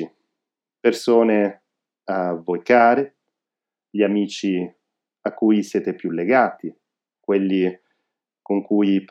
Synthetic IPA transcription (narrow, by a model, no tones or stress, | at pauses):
i | persoːne | avːojkaːɾe | ʎiamiːt͡ʃi | akːuːjseːt̪epjulːeɡaːt̪i | kwelːi | koŋkuːjp